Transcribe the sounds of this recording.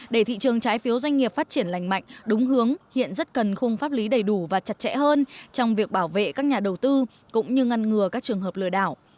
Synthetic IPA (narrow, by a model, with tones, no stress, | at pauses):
ɗe˧˩t̪ʰḭ˧˨t͡ɕɨ˨˩əŋt͡ɕaː˨˦jfi˨˦əwzwa˧jŋ̟ŋi˨˩əp̚faː˦˥t̚t͡ɕi˧˩ənla̰˧˨jŋ̟ma̰˧˨jŋ̟ɗʊ˨˦ŋ͡mɦɨ˨˦əŋhḭ˧˨ənzə˦˥t̚kə˨˩nxə˧wŋ͡mfaː˦˥p̚li˨˦ɗə˨˩jɗu˧˩vaː˨˩t͡ɕa˨˩t̚t͡ɕɛ̰˧˥həː˧nt͡ɕɔ˧wŋ͡mvi˨˩ək̚ɓaː˧˩wvḛ˧˨kaː˦˥k̚ɲaː˨˩ɗə˨˩wt̪ɨ˧ | kʊ̰˧˥ŋ͡mɲɨ˧ŋa˧nŋɨ˨˩əkaː˦˥k̚t͡ɕɨ˨˩əŋɦəː˨˩p̚lɨ̰˧˨əɗaː˧˩w